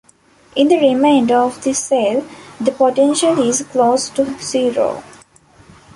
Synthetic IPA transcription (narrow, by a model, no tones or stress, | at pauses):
ʔɪ̃nd̪əɾimẽːɳɖəɔʋd̪iseld̪əpoʈẽnʃəlizkloːsʈusiːɾo̰ː